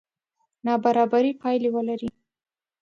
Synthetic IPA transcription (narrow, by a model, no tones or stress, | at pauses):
nɑbaɾɑbaɾipɑjlewəlaɾi